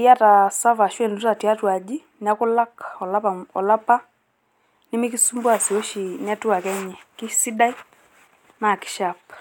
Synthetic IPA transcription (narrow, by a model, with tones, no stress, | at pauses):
ja˦ta˨sa˦va˨ʃwɛ˦˨n˨tu˦ta˨ti˨a˦twa˨d͡ʒi˦ | n˦a˦kʊ˦la˦kɔ˨la˦pa˨ɔ˨la˦pa˦ | ni˦mi˦ki˦su˦mbwa˨si˨ɔ˦ʃi˨ni˦a˦tu˦a˨kɛ˦ɲɛ˨ki˦si˦da˦i˦ | na˨ki̥˨ʃa˨p̚